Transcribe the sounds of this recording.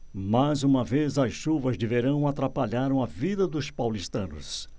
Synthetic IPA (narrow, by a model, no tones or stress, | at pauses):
mazũmɐvezɐsʃuvɐzd̪eveɾɐ̃w̃at̪ɾapaʎaɾɐ̃w̃ɐvid̪ɐd̪ʊspawlist̪ɐ̃nʊ̰s